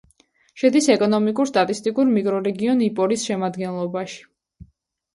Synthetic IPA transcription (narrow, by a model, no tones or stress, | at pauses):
ʃɛd̪isɛkʼɔnɔmikʼuɾst̪ʼat̪ʼist̪ʼikʼuɾmikʼɾɔɾɛɡiɔnipʼɔɾisʃɛmad̪ɡɛnlˠɔbaʃi̥